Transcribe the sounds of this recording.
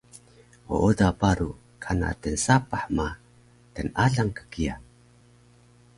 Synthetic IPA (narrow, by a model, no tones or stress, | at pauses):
o̰ʔodapaɾu | kʰana̰tənsapaħma | tənaɮaŋkə̥kia